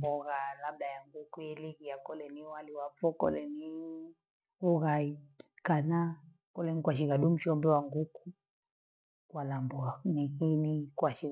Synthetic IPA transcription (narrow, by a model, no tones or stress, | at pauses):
bɔɣalabdajaŋɡukujɛliɣijakɔlɛniwaliwapɔkɔ̰lɛni | uɣaikana | kɔlɛnikwaʃ̬iɣaɗum̩ʃɔmbɛwaŋɡuku | kwalambɔanihinikwaʃi